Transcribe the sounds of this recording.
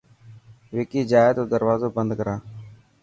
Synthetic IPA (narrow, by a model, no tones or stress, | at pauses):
ʋɪkiːd͡ʒaːjt̪oːd̪əɾʋaːzoːbənd̪kəɾaː